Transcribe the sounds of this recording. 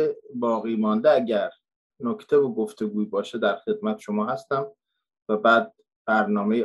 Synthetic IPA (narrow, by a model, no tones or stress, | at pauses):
ebɒːɣiːmɒnd̪eæɟæɾ | nokʰt̪ʰevoɡoft̪ʰe̞ɡuːibɒːʃed̪æɾxe̞d̪̚mæt̪ʰe̥ʃomɒːhæst̪æm | væbæːd̪̚ | b̥æɾnɒːmej